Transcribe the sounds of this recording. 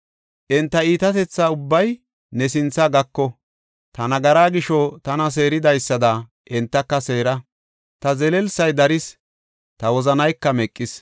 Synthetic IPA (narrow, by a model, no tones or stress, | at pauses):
ʔɪnt̪ːɐiːt̪ɐt̪ɛt͡sːaːʊbːɐj | nɛsɪnt͡sːɐɡɐkːɔ | t̪ɐnɐɡɐɾaːɡɪʃɔt̪ɐnɐs̬e̞ːɾɪd̪ɐjsːɐd̪a | ʔɪnt̪ːɐkːɐse̞ːɾɐ | t̪ɐzɛlɛlsɐjd̪ɐɾɪs | t̪ɐwɔzɐnɐjkːɐmɛkʼːɪs